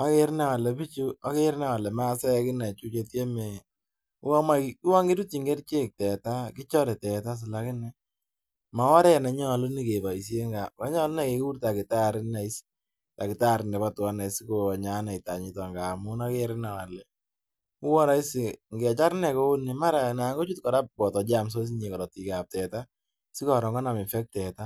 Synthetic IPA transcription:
a˦ke˦ɾnɛ˦˨wa˨lɛ˨pi˦t͡ʃu˦a˦ke˦ɾna˦˨wa˨lɛ˨ma˦sɛ˦kɪ˦na˨t͡ʃu˦t͡ʃe˧tje˦me˨ | u˦wa˦ma˦kki˦wa˦ŋɡe˦ɾu˦ti˨ŋɡe˦ɾt͡ʃe˦˨k̚tɛ˨ta˦kɪ˦t͡ʃɔ˦ɾɛ˨tɛ˨ta˦s̬ɪ˨la˦kɪ˦nɛ˨ | ma˨˦wɔ˦ɾɛ˦na˨ɲɔ˦˨lʊ˦ni˨ke˨ba˨i˨s̬je˦ŋɡa˨ka˨˦ɲɔ˦lʊ˦na˨ke˨ku˦ɾta˨kɪ˨ta˦˨ɾɪ˦na˨i˦s | ta˨kɪ˨ta˦˨ɾɪ˨nɛ˨ba˦twa˦na˨si˦ko˨ɲa˦na˨i˨ta˨ɲɪ˦tɔ˨ŋɡa˨mʊ˦na˦ke˦ɾɪ˦na˨wa˨lɛ˨ | ʊ˦wɔ˦ɾa˦i˦sɪ˨ŋɡɛ˨t͡ʃa˦ɾnɛ˨ko˦ni˨ma˦ɾa˨na˨ŋɡo˦t͡ʃu˦tkɔ˨ɾa˦p̚bɔ˨tɔ˨d͡ʒa˦˨ms̬o˦s̬i˦ɲe˨kɔ˨ɾɔ˨ti˨ka˨p̚tɛ˨ta˦ | si˦kɔ˨ɾɔ˨ŋɡɔ˦na˨mɪ˨fɛ˦k̚tɛ˨ta˦

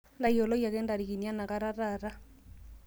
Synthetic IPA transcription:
nda˨iɔ˨lɔ˦ja˨kɛ˦nda˨ɾi˨ki˨nia˦na˨ka˦ɾa˦ɾaɾa˦

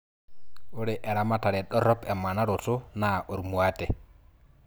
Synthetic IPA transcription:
o˦ɾe˨ʔɛ˨ɾa˦ma˦ta˨ɾe˨ɗɔ˦ɾɔ˦pɛ˨ma˨na˦ɾo˨to˦na˨ʔo˨ɾmu˨a˦tɛ˨

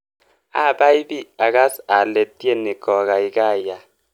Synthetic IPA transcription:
a˦˨ba˦i˦bi˦a˨ka˦sa˨le˨t̪i˦e˦ne˨ɡɔ˨ɣa˨i˨ka˦˨ja˨

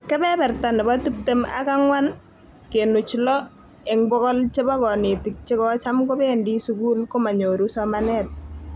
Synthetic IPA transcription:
kɛ˦bɛ˦bɛ˨rta˨nɪ˨ba˦tu˦p̚te˦ma̰˦ka˦ŋwa˦n | ke˨nu˨t͡ʃlɔ˦ | e˨ŋbɔ˦kɔ˦lt͡ʃe˦ba˦kɔ˨ne˨ti˨k̚t͡ʃe˦kɔ˦t͡ʃa˦mko˦be˦ndi˦suku˦lko˦ma˨ɲo˨ɾu˦sɔmanɛ˦t̚

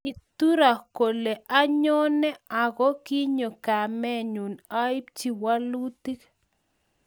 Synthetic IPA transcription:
i˨t̪u˦ɾa˨ko˨le˨ʔa˦ɲo˦nɛ˦a˨ɣo˦ki˦ɲo˨ka˨mɛ˦ɲu˨na˦i˦p̚t͡ʃi˨wa˦lu˦t̪i˦k

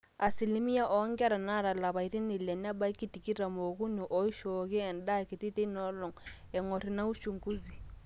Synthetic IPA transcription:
a˨si˨li˦mi˦ja˦ʔɔ˨˦ŋkɾa˨na˦˨ɾa˨la˨βa˨i˨˦ɾi˦ni˨lɛ˨n˦a˦ba˦i˦ki˦ti˨ki˦ɾa˨mo˨ku˦ni˨ʔɔ˨˦i˦ʃɔ˨kɛ˦ɛ˨n˦da˦˨ki˨ti˦te˦i˦nɔ˦lɔ˨ŋ | ɛ˨ŋɔ˨ɾi˨na˦u˦ʃu˨ŋku˦zi˨

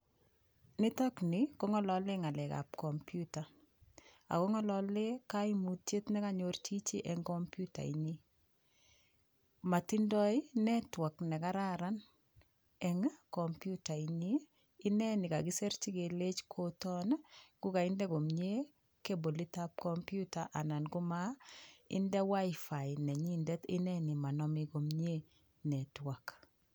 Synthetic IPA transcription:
nɪ˦tɔkniko˦ŋɔ˦lɔ˦le˦ŋa˨lɛ˨ka̰˨p̚kɔ˨mpjuta˨ | a̰˨ko˦ŋɔ˦lɔle˦kaimu˨tje˦tnɛ˦ka˨ɲo˦rt͡ʃi˦t͡ʃi˦ʔɛŋkɔmpju˦ta̰˨ḭɲi | ma˨ti˦ndɔ˦i˦nɛ˦twa˨knɛ˨ka˦ɾa˦ɾan | ɛŋkɔmpjuta˨iɲiː˦ | nɛ˦ni˨kaɡi˦sɛ˦ɾt͡ʃi˦ke˨le˦t͡ʃkʰotɔ˦nɡ̥ʊ˦ka˨i˦ndɛ˦ɡo˨mɲe˦ | ke˦bo˨li˦ta˦p̚kɔmpjuta˨ʔa˨na˨nɡu˦maɪ̰˦ndɛ˦wa˦ɪfa˨jnɛ˨ɲindɛtɪ˦nɛni˨ma˨nɔmiko˨mɲe˦ | nɛ˨twa˨k

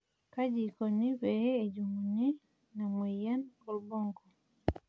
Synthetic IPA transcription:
ka˦ɟiko˨ni˦βe˨heːɟumuni | na˨mwiːja˦no˨luboːŋɡo˨

